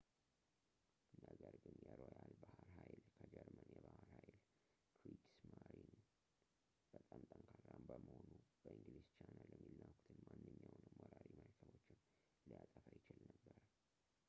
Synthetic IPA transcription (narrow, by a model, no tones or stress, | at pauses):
ɨnːaɡəɾɡɨnjɛɾojalbahɾɦajlkʰəd͡ʒɛɾmənjɛbahəɾhajl | kʰɾiksmaɾin | b̥ət̪ʼamt̪ʼəŋkʰarːambəməhonub̥əɨnd̪ɨɾist͡ʃanaləmːilnawkʰu̥t̪ʰɨnmanːɨɲːawnəmwɔɾaɾiməlkʰəβo̞t͡ʃːɪn | lɨjat̪ʼəfəjɪt͡ʃɪlnəbːəɾ